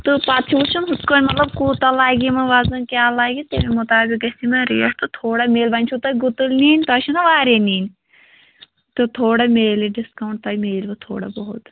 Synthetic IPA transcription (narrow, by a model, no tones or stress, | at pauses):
t̪ɨpat̪t͡ʃʰiut͡ʃʰunɦut̪koːnʲmɐt̪lɐbkuːt̪ɐlaːɡimɐʋaːzɐnkʲaːlaːɡit̪ememut̪aːbikɐsimɐɾḭɐst̪ɨt̪ʰoːɽameːlbɐnʲt͡ʃʰut̪ɐjʲɡut̪ɨlniːnʲt̪ɐʃʰunɐʋaːɾeniːnʲ | t̪ɨt̪ʰoːɽɐmeːliɖiskɐwɳʈ̚t̪ɐjmeːlbɐt̪ʰo̰ːɽɐ̰bɐɦut̪